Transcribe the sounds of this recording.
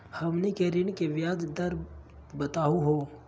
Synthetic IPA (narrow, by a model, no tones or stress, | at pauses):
hɐmnikeɾinkeʋjaːd̪d̪ɐɾ | bɐt̪aːuɦoː